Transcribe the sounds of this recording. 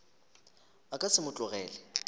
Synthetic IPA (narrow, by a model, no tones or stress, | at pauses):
akʼasɪmʊt͡ɬʼʊɣɛːlɛ